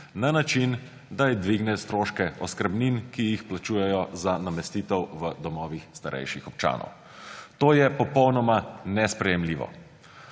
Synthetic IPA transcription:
nanat͡ʃin | d̪ajid̪ʋiɡnɛst̪ɾoːʃkɛʔɔ̰skəɾbninkijixplat͡ʃuːjɛjɔzanamɛst̪iːt̪ɛwʋəd̪ɔmɔːʋixst̪aɾʔɛ̰jʃixɔp̚t͡ʃa̰ːnɔ̰w | t̪oːjɛpɔpɔwnɔmanɛspɾɛjɛmliːʋɔ̰

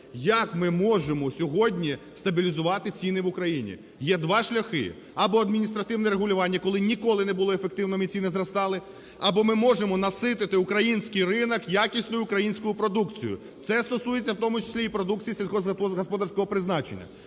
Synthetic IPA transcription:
jɐkmɪmɔʒemɔsʲɔɦɔdʲnʲi | st̪ɐbʲilʲizʊʋɑt̪ɪt͡sʲinɪʋʊkɾɐjinʲḭ | jɛd̪ʋɑʃlʲɐxɪ̰ | ɐbɔɐd̪mʲinʲist̪ɾɐt̪ɪwnɛɾeɦʊlʲʊʋɑnʲːɐkɔlˠɪnʲikɔlˠɪnɛbʊlˠɔefek̚t̪ɪwnɔmʲit͡sʲinɪzrɐst̪ɑlˠɪ | ɐbɔmɪmɔʒemɔnɐsɪt̪ɪt̪ɪʊkɾɐjinʲsʲkijrɪnɐkjakʲisʲnʊjʊʊkɾɐjinʲsʲkʊjʊpɾɔd̪ukt͡sʲijʊ̰ | t̪sɛst̪ɔsuje̞t͡sʲːɐwt̪ɔmʊt͡ʃɪ̥sʲlʲiːpɾɔd̪uk̚t͡sʲijisʲelʲkɔzɔɦɐspɔd̪aɾrsʲkɔɦɔpɾɪznɑt͡ʃenʲːɐ̰

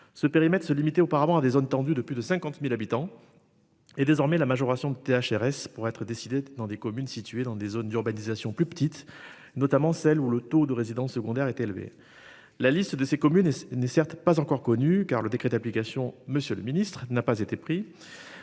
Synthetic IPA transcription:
səpeʁimɛt̪χə̥səlimit̪ɛopaʁavɑ̃ad̪ezont̪ɑ̃d̪yd̪əplyd̪əsɛ̃kɑ̃t̪milabit̪ɑ̃ | ed̪ezɔʁmɛlamaʒɔʁasjɔ̃d̪ət̪eaʃɛʁɛspuʁɛt̪χəd̪esid̪ed̪ɑ̃d̪ekɔmynsit̪ɥed̪ɑ̃d̪ezond̪yʁbanizasjɔ̃plypə̥t̪it̪ | nɔt̪amɑ̃sɛlulət̪od̪əʁezid̪ɑ̃sːəɡɔ̃d̪ɛʁɛt̪elvḛ | lalist̪d̪əsekɔmynɛnɛsɛʁt̪pazɑ̃kɔʁkɔnykaʁləd̪ekχed̪aplikasjɔ̃məsjøləminist̪χnapazet̪epχi

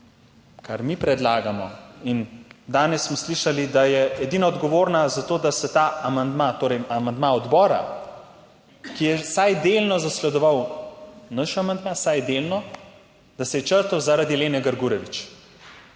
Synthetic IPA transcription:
kaɾmipɾɛd̪laːɡamɔind̪aːnɛsːmɔsliʃalid̪ajɛɛd̪iːnɔɔd̪ɡɔʋoːɾnazat̪oːd̪asɛt̪aːamand̪mat̪oːɾɛjamand̪maɔd̪bɔːɾa̰ | kijɛsajd̪elnɔzaslɛd̪ɔʋaw | naʃamand̪maːsajd̪elnɔ | d̪̥asɛjɛt͡ʃəɾt̪əwzaɾad̪ileːnɛɡəɾɡuːɾɛʋit͡ʃ

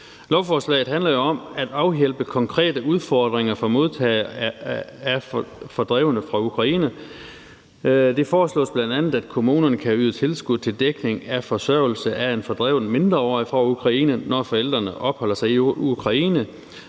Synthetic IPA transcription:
lɒʊfɒːslɛ̰ɪð̩ˠɦænlɐjo̝ɒ̽mæd̥ɑ̈ʊjelb̥əkʰɒ̽ŋkʰʁɛ̰ːd̥əuð̞ˠfɒːd̥ʁeŋɐfɒmo̝ðˠt͡sʰɛ̰ː | æfɒd̥ʁɛʊnəfʁɑ̈ukʰʁɑ̈iːnə | d̥e̝fɒːslɔ̰ːsb̥lænd̥ænð̩ˠæd̥̚kʰo̝muːnɐnəkʰæyːðˠt͡sʰe̝lsɡ̥uð̥ˠt͡sʰe̝ld̥eɡ̥ne̝ŋæfɒ̽sɶɐ̰ʊl̩səʔæe̝nfɒ̽d̥ʁɛʊnme̝nd̥ʁɐɒ̰fʁɒukʰʁɑ̈iːnənɒfɒ̽el̰d̥ʁɐnəʔɒ̽b̥hɒ̽l̰ɐsɑ̈ɪiukʰʁɑ̈iːnə

